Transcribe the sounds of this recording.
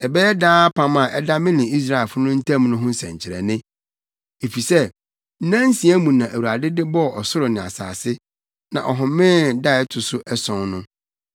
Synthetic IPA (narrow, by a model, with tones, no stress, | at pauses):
ɛ˨bɛ˦ɛ˦daː˦pʰã˦mã˨ʔɛ˦da˦mɪ̃˦nɪ̃˨i˦s̬ɾa˦ɛ˨fʊ˦nʊ̃˦n̩˦tʰã˦m˦nʊ̃˦ɦʊ̃˦n̩˦sɛ̰̃˨ɲ˨t͡ɕʰɪ˨ɾɛ̰˨nɪ̃˦ | e˨fi˨sɛ˦˨ | n̩˦nã˦n˦sĩ˨æ˦mũ˨nã˨ʔæ˨wu˨a˨dɪ˦dɪ˦bɔ˦˨ʔɔ˨sʊ˦ɾʊ˨nɪ̃˨a̰˨sa̰ː˨sɪ˦ | nã̰˨ʔɔ˨ɦʊ̃˨˦mɪ̃˦da˦˨ɛ˦tʰʊ˨sʊ˦ʔɛ˦sɔ̃˨nnʊ̃˦